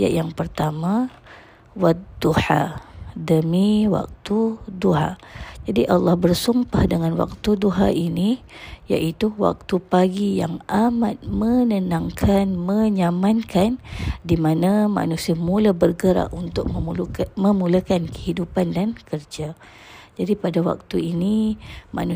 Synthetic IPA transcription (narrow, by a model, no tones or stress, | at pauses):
ja̰ʔjaŋpərt̪amã | wad̪uħa̰dəmiwa̰k̚t̪uduɦa̰d͡ʒadiʔalːɑhbərsumpahdəŋanwa̰k̚t̪uduɦa̰ʔini | ja̰ʔit̪uwa̰k̚t̪upaɡija̰ŋʔamat̪̚mənənaŋkʰanməɲamankʰandimanama̰nusiamulabərɡəɾa̰ʔunt̪ʊk̚məmulakankə̥hidupandankərd͡ʒa | d͡ʒadipadawa̰k̚t̪uinima̰nu